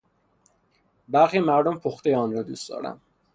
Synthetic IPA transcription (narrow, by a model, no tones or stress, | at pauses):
bæɾxiːmæɾd̪ompʰoxt̪ejeɒːnɾɒːd̪ṵːstd̪ɒ̰ːɾæ̰m